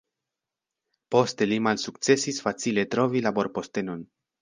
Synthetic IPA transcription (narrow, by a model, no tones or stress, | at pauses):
po̞ste̞limalsuk̚t͡se̞sisfat͡sile̞tɾo̞vilabo̞ɾpo̞ste̞no̞n